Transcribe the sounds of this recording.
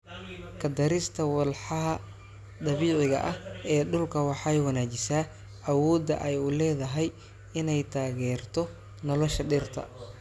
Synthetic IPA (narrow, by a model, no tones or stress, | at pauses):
kʰɐd̪ɐɾɪst̪ʰɐwɑlħɑɦɐ | d̪ɐβiːʕɪɣɐ̰ʔɐhɛːɖʊlkʰɐwɑħɑjwɐnaːt͡ʃɪsaː | ʔɐwɔːd̪ɐ̰ʔɛjʊlɛːðɐɦɛj | ɪnɛjt̪ʰaːɣɛːrt̪ʰɔ | nɔlɔʃɐɖɪrt̪ʰɐ̰